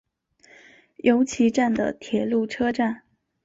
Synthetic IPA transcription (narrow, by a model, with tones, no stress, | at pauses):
jʔo˧˥ʊt͡ɕʰi˧˥ʈ͡ʂa˥˩nd̪ə̰˩t̪ʰjɛ˨˩˦lu˥˩ʈ͡ʂʰɤ˥ʈ͡ʂa˥˩n